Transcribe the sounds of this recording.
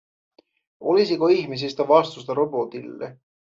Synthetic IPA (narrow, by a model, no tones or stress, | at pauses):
olis̬ikoihmis̬ist̪ɑvɑst̪ust̪ɑɾo̞bo̞t̪ilːḛ